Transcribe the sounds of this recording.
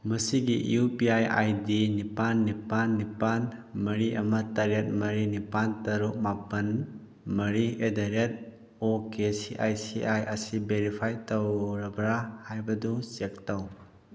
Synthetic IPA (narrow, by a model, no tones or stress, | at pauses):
mɐsiɡiʔupiaja̰jdinipanːipanːipanmɐɾiɐmɐtɐɾet̚mɐɾinipantɐɾuk̚mapɐn | mɐɾiedaɾet̚ | okesiʔajsiʔajɐsibeɾipʰajtɐwɾɐbɾahajbɐdusek̚taw